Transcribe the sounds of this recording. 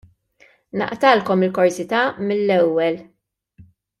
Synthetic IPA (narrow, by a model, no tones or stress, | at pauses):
nɐ̰ʔt̪ɐlkɔmɪlkɔɾsɪt̪ɐmɪlːɛwːɛl